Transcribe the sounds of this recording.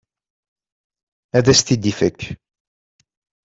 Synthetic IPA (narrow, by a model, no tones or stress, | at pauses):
æðæst̪id̪ifækː